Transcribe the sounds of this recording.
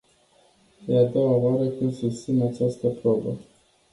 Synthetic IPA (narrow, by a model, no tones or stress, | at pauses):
jead̪o̞waoaɾəkumsust̪sinat͡ʃast̪əpɾo̞bə